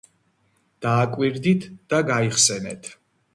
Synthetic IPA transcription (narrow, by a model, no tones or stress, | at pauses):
d̪̥aːkʼwiɾd̪it̪ʰd̪̥aɡaiχsɛnɛt̪ʰ